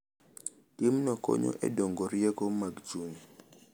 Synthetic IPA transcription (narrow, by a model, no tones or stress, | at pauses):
timnɔkɔ̰ɲo̰ʔɛ̰dɔŋɡoɾjɛkomaɡt͡ʃuɲ